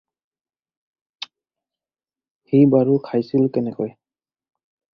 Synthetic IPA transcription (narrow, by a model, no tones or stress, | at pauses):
hibaɹukʰajsilkɛnɛkɔj